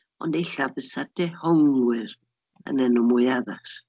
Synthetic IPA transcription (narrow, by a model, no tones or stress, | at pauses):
ɔ̰ndejɬavəsadɛhɔŋwɪɾ | ə̰nɛnɔmʊjaðas